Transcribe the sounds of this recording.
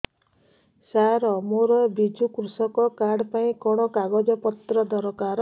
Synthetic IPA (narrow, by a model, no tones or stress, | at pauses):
saɾɔmoɾɔbid͡ʒukɾusɔkɔkaɽpaĩkɔɽ̃ɔkaɡɔd͡ʒɔpɔt̪ɾɔd̪ɔɾɔkaɾɔ